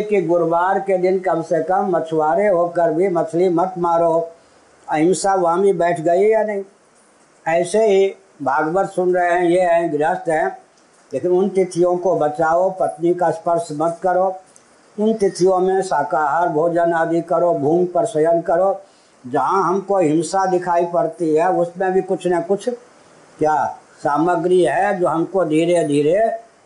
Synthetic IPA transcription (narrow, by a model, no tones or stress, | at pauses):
kiɡʊɾʋaːɾked̪ɪnkɐmsekəmːɐt͡ʃʰwaːɾeɦokəɾbʱimɐt̪ʰlimɐt̪maːɾo | ɐɪ̃msaːʋɐɦãbʱibɛːʈʰɡɐijanɐɦĩ | ɛːseɦi | bʱaːɡʋəɾsʊnɾəɦeɦɛ̃jeɦɛ̃ɡɾəst̪ɦɛ̃ | leːkɪnʊnt̪ɪt̪ʰɪjõkobət͡ʃaːopət̪nikaspəɾʃmət̪kəɾo | ʊnt̪ɪt̪ʰɪjõmẽsaːkaːɦaɾbʱoːd͡ʒənaːd̪ikəɾobʱuːmpəɾsəjənkəɾo | d͡ʒɐɦãɦɐmkoɦɪmsad̪ɪkʰaːipɐɾt̪iɦɛʊsmẽbʱikʊt͡ʃʰnəkʊt͡ʃʰ | kjaː | saːməɡɾiɦɛd͡ʒoːɦɐmkod̪ʱiːɾed̪ʱiːɾe